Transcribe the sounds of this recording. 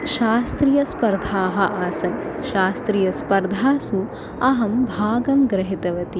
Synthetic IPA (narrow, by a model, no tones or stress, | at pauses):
ʃaːst̪ɾijɐspɐɾd̪ʱaːɦɐʔaːsɐnʃaːst̪ɾijɐspɐɾd̪ʱaːsu | ɐɦɐmbʱaːɡɐmɡɾɐɦit̪ɐʋɐt̪i